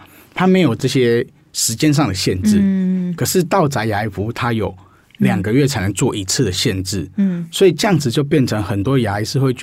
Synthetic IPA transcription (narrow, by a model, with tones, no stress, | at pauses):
t̪ʰa˥me˧˥ɪjo˨˩ʊʈ͡ʂɤ˥˩ɕjɛ˦˥ | ʂɻ̩˧˥t͡ɕjɛ˥nʂ̬ɑ˥˨ŋd̪ə˨˩ɕjɛ˥˧nʈ͡ʂɻ̩˥˩kʰə˨˩ʂɻ̩˥˧t̪ɑ˥˨˩ʊt͡sa˧˥ɪja˧i˨˥fu˧˥t̪ʰa˦˥jo˨˩ʊ | ljɑ˨˩ŋɡə˧˦ɥɛ˥˩t͡sʰa˧˥ɪnə˧˥ŋt͡swɔ˥˩ʔi˧˥t͡s̩ʰ˥˩d̪ə˩ɕjɛ˥˧nʈ͡ʂɻ̩˥˩swɔ˧˥i˨˩t͡ɕjɑ˥˩ŋd͡zɹ̩˨˩t͡ɕjo˥˧ʊp̬jɛ˥˨nʈ͡ʂʰɤ˧˦ŋxə˨˩nt̪wɔ˥ja˧˦i˨˧˥ʂɻ̩˥˧xwe˥˧ɪt͡ɕ